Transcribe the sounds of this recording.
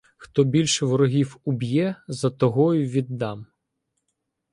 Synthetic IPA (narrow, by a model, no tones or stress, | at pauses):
xt̪ɔbʲilʲʃɛʋɔɾɔɦʲiwʊbʲjɛzɐt̪ɔɦɔjʊʋʲid̪ːɑm